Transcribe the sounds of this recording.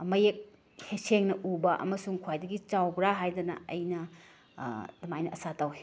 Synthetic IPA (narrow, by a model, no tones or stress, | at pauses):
mɐjek̚ | heseŋnɐʔubɐʔɐ̰mɐsuŋkʰwajdɐɡit͡ʃawbɾaɦajdɐnɐ̰ɐjnɐ | dɐmajnɐɐsatawe